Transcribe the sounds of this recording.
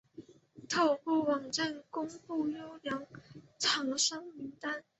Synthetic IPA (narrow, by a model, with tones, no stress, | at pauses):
t̪ʰo˨˩ʊpu˥˩wɑ˨˩ŋʈ͡ʂa˥˩nkʊ˥ŋpu˥˩jo˥ʊljɑ˧˥ŋt͡sʰɑ˧˥ŋʂɑ˥ŋmi˧˥ŋt̪a˥n